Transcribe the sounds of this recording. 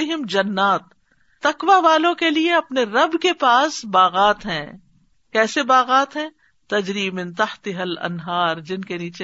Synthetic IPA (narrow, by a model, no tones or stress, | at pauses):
ɪɦɪmd͡ʒɐnːaːt̪ː | ɐkʋaʋaːlõkelieɐpneɾɐbkepaːsbaːɣaːt̪ɦɛ̰̃ː | kɛːsebaːɣaːt̪ɦɛ̃ː | t̪ɐd͡ʒɾiːmɪ̃nt̪ɐht̪ɪɦɐlɐ̰nɦaːɾd͡ʒɪnkeniːt͡ʃe